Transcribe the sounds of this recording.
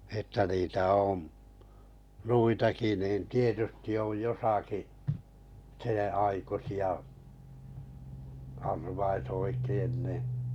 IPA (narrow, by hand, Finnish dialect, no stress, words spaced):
etːæ niːtæ õːm nuitɑki niːn̞ tietysti oj josɑki sẽːɑikusiɑ ɑrʋɑis oikein ni